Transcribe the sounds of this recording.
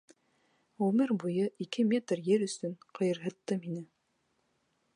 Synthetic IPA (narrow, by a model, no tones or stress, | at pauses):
ʁʉmɘɾbujɤʔikɘmʲet̪rjɘɾɵ̆sɵnqɤ̆jɤ̆ɾɦɤ̆t̪ːɤminɘ